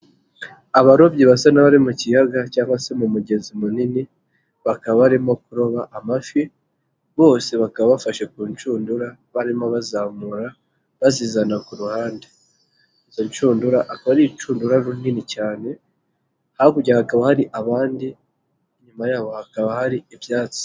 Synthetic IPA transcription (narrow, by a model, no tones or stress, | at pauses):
aβaɾo̞bɟiβasanaβaɾimucijaɡacaːŋɡwase̞mumuɟe̞zimunini | βakaβaβaɾimo̞kuɾo̞βaʔamafje | βo̞ːse̞βakaβaβafaʃe̞kuːnt͡ʃuːnduɾa | βaɾimoβazaːmuɾa | βazizanakuɾuhaːnde | izoɲt͡ʃuːnduɾaʔakaβaɾit͡ʃuːnduɾaɾuninicaːne̞ | haakuɟaakaβahaɾiʔaβaːndi | ɲumajaːβo̞hakaβahaɾiiβjaːt͡si̥